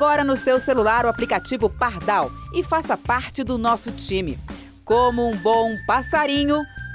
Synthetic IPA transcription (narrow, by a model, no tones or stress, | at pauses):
ɔɾɐnʊsewselulaɾʊaplikat͡ʃivʊpaɾd̪awɪfasɐpaɾt͡ʃɪd̪ʊnɔsʊt͡ʃĩmɪ̰ | kõmʊũbõw̃pasaɾĩɲʊ